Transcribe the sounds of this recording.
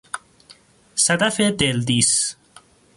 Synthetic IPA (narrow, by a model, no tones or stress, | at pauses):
sat̪afet̪eld̪is